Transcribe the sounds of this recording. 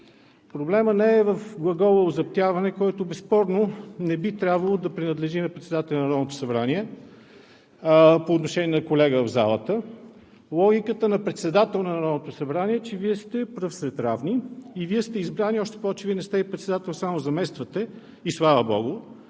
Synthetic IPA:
pɾoblɛmənɛɛvəfɡlˠɐɡɔvəʊzɐp̚t̪ʲjavɐnɛkɔjt̪ʊbɛspɔɾnonɛbit̪ɾʲabvəlˠod̪ɐpɾinɐd̪lɛʒinɐpɾɛt̪sɛd̪at̪ɛlʲnɐɾɔvnot̪ʊ̥sɐbɾaniɛ | poːt̪noʃɛnʲiɛnɐkolɛɡəvəvza̰lˠə̰t̪ə | lˠɔɡʲikət̪ənɐpɾɛt̪sɛd̪at̪ɛlˠnɐnɐɾɔnot̪ʊsɐbɾanʲiɛt͡ʃɛviɛst̪ɛpɾɤfsɾɛt̪ɾavniːviɛst̪ɛizbɾaniɔʃt̪ɛ̥pɔvɛt͡ʃɛviənɛst̪ɛipɾɛt̪sɛd̪at̪ɛlˠsamozɐmɛst̪vət̪ɛ | islˠavəbɔ̰ɡʊ

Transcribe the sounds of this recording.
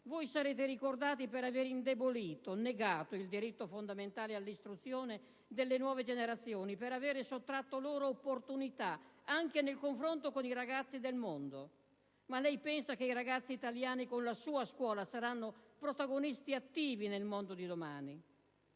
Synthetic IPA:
vojsaɾeːt̪eɾikord̪aːt̪̬ipeɾaveːɾind̪eboliːt̪oneɡaːt̪oild̪iɾit̪ːofond̪ament̪aːlealːist̪ɾut̪sːjoːne | d̪elːenwɔːved͡ʒeneɾat̪sːjoːnipeɾaveːɾesot̪ːɾat̪ːoloːɾoːpːort̪unit̪aaŋkenelkoɱfɾont̪okoniɾaɡat̪sːid̪elmond̪o | malɛjpɛnsak̟eiɾaɡat̪sːiːt̪aljaːnikonlasuːaskwɔːlasaɾanːopɾot̪aɡonist̪iat̪ːiːvinelmond̪od̪id̪omaːni

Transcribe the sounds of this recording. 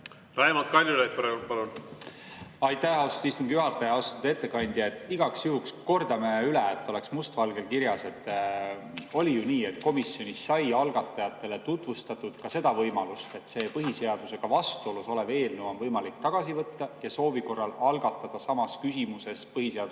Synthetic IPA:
lɑemot̪̚kɑlʲjulet̪̚pɑɾeulpɑlun | ɑjt̪ːæɑwst̪u̥t̪ist̪uŋɡijuɦɑt̪ːˑɑjɑɑwst̪ud̪̥e̞t̪ːe̞kɑnʲd̪̥iet̪ːˑiɡɑksjuɦuksko̞rd̪̥ɑmeyleet̪ːˑo̞le̞ksmust̪vɑlɡe̞lkiɾjɑse̞t̪ːˑ | o̞lijuniːe̞t̪ko̞misːio̞nʲisːɑjɑlɡ̥ɑt̪ːˑɑjɑt̪ːˑe̞let̪ut̪ˑvust̪ɑt̪ːˑud̪̥kɑse̞d̪ɑvɤjmɑlust̪e̞t̪ːse̞ːpɤɦise̞ɑd̪̥use̞ɡ̥ɑvɑst̪uo̞luso̞leve̞ːlnuonvɤjmɑlikt̪ɑɡ̥ɑsivɤt̪ːɑjɑso̞ːviko̞rːɑlɑlɡɑt̪ːˑɑd̪̥ɑsɑmɑskysimuse̞spɤhise̞ɑ

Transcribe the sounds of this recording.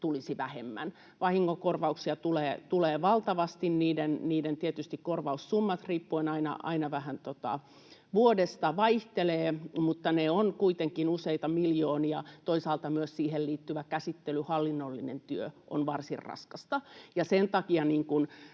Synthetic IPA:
t̪ulisiʋæhemːæ̰n | ʋɑhiŋːokorʋɑuksiɑt̪uleːt̪uleːʋɑlt̪ɑʋɑst̪inniːdenniːdent̪iet̪yst̪ikkorʋɑussumːɑt̪riːpːuenɑinɑ̰ʔɑ̰inɑʋæhænt̪ot̪ɑ̰ | ʋuodest̪ɑʋɑiht̪eleːmut̪ːɑneonkuit̪eŋkinuseit̪ɑmiljoːniɑt̪oisɑːlt̪ɑmyøssiːhelliːt̪ːyʋækæsit̪ːelyhɑlːinːolːinḛnt̪yøʔo̰nʋɑrsḭrrɑ̰skɑst̪ɑjɑsent̪ɑkiɑniːŋkun

